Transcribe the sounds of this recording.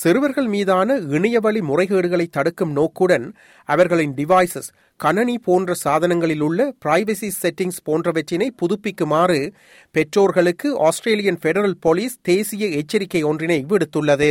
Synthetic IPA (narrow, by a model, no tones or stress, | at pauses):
sɪɾɯʋɐɾɣɐɭmiːðaːnɐɪɳɐjɐʋɐɭimʊrɐɪɣeːɽɯɣɐɭɐɪt̪ːɐɽɯkːɯmnoːkːɯɽɐn | ɐʋɐɾɣɐɭɪnɖɪʋaɪsɐs | kɐnɐɳipoːndrɐsaːðɐnɐŋɡɐɭɪlɯɭːɐpɪɾɐɪʋɐsiːɛʈːɪŋspoːndrɐʋɛʈːɪnɐɪpʊðʊpːɪkːɯmaːrɯ | pɛʈroːɾɣɐɭɯkːɯʔaːsʈreːlɪjɐnfɛɽɐɾɐlpɔliːst̪eːsɪjɐɛt͡ʃːɐɾɪkːɐɪɔndrɪnɐɪʋɪɽɯt̪ːɯɭːɐðɯ